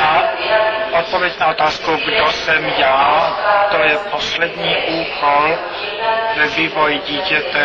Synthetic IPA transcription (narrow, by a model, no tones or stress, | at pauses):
a | ʔot̪̚povjɛcnaʔot̪aːskuɡdosɛmjaːt̪ojɛposlɛd̪ɲiːʔuːkol | vɛviːvojɟiːcɛt̪ɛ